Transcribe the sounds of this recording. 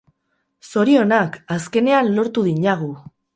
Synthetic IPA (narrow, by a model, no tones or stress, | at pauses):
so̞ɾio̞nakaske̞ne̞anlo̞ɾt̪uðiɲaɣ̞u